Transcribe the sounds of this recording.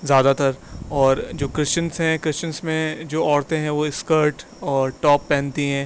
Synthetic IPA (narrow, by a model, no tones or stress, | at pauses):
zjaːd̪at̪əɾɔːɾd͡ʒoːkɾɪt͡ʃənsɦɛ̃kɾɪst͡ʃə̃nsmẽd͡ʒoːɔːɾt̪ẽɦɛ̃ʋoɪskəɾʈ | ɔːɾʈɔːpːɛ̃ːnt̪iɦɛ̃ː